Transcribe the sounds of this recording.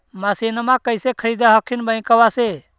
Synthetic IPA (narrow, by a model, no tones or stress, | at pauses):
maːsiːnəmãːkəɪseːkʰəɽiːd̪aːɦəkʰːɪnbãĩkəʋaːseː